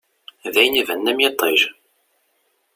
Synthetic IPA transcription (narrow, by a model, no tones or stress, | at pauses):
ðæjnivænːæmjet̪ˤːeʒ